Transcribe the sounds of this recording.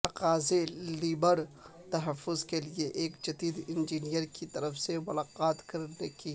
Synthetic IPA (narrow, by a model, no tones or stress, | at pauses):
t̪ɐqaːzeliːbəɾ | t̪ɐɦɐfːʊzkelieʔeːkd͡ʒɐd̪iːd̪ɪnd͡ʒiːnijəɾkit̪ɐɾəfsemʊlaːqaːt̪kɐɾneki